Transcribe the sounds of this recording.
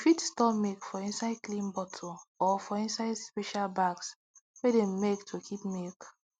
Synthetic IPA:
fitstɔpmekfɔĩnsaɪdklĩnbɔtʰoɔfɔĩnsaɪdspeʃalbaɡs | wedem̩mektʰokʰipmek

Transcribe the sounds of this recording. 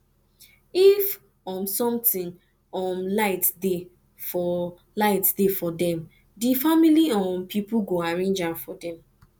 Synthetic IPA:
if | ɔ̃nsɔ̃mtĩŋ | ɔnlaɪtde | fɔ | laɪtdefɔdɛ̃m | difamiliɔ̃npʰipuɡoaɹẽnd͡ʒafɔdɛ̃m

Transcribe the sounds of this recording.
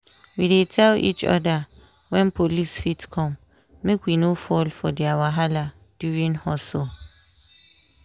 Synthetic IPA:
widetʰɛlḭt͡ʃɔ̰da | wɛ̃npʰolisfitkʰɔ̃mː | ekwinofɔlfɔdɛawaɦala | d̥juɹĩŋhɔso

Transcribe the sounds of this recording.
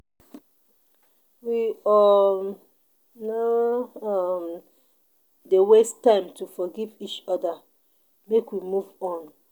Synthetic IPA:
wiɔ | naam | dewɛstːãɪ̃mtufɔɡivit͡ʃɔda | mekwimuvɔ̃n

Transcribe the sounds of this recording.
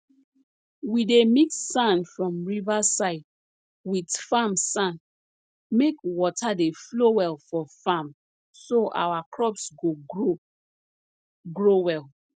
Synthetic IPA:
widemikssãnfɹɔ̃mɹivasaɪd̚ | widfamsãn | mekwɔtʰadeflowɛlfɔfãm | soʔa̰wakʰɹɔpsɡoo | ɡɹowɛl

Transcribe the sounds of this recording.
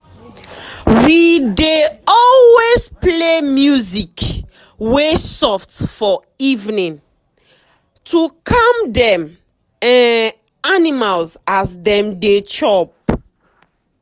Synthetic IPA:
wideɔlwezplemjuzik | wesɔftfɔ | ivnĩn | tʰukʰamdɛ̃m | ɛ̃n | animalzazdɛ̃mdet͡ʃɔp̚

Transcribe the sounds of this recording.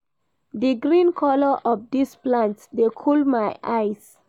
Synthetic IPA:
d̪iɡɹĩnkʰɔləʔɔvd̪isplãntsd̪ekʰulmajʔajs

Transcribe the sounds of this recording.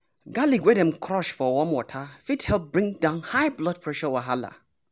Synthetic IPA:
ɡaliɡwɛdɛ̃mkʰɾɔʃfɔwɔmwɔtʰafithɛlˠp̚bɹĩŋdãʊ̃nhaɪblɔt̚pʰɹɛʃɔwaɦala̰

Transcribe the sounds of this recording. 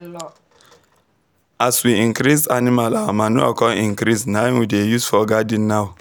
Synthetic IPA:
aswiĩŋkɾisanimalamanua̰kɔ̃ĩŋkɾisnajnwidejusfɔɡadĩnːaw

